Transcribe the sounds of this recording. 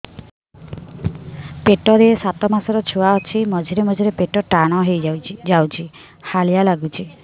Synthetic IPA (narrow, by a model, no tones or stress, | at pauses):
peʈɔɾeesat̪ɔmasɔɾɔt͡ʃʰuwaɔt͡ʃʰimɔd͡ʒʱiɾemɔd͡ʒʱiɾepeʈɔʈaɽ̃ɔɦejd͡ʒawt͡ʃʰi | halijalaɡut͡ʃʰi